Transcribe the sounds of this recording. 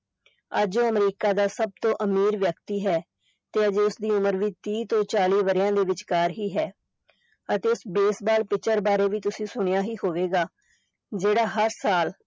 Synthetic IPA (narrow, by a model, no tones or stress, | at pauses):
ə̰d͡ʒõːəmɾiːkaːd̪aːsəb̚t̪õːʔəmiːɾʋjəkt̪iːɦɛː | t̪eːəd͡ʒeːʊsd̪iːʊməɾʋiːt̪iːt̪õːt͡ʃaːliːʋəɾjãːd̪eːʋɪt͡ʃkaːɾɦiːɦɛː | ət̪eːʊsbeːsbaːlpɪt͡ʃəɾbaːɾeːʋiːt̪ʊsĩːsʊɳ̃ɪjaːɦiːhoːʋeːɡaː | d͡ʒeːɽaːɦəɾsaːl